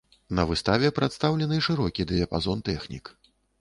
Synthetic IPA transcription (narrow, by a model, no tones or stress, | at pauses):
nɐvɨst̪avʲɛpɾat̪st̪awlʲɛnɨʂɨɾɔkʲid̪ɨɐpazɔnt̪ɛxnʲḭk